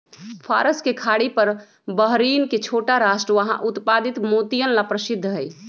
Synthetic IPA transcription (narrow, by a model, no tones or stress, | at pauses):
pʰaɾəskekʰaɽipəɾ | bəɦɾinket͡ʃʰoʈaɾaʃʈɾəʋəɦã̰ʔut̪pad̪it̪mot̪ijənlapɾəsɪd̪ʱːɦəj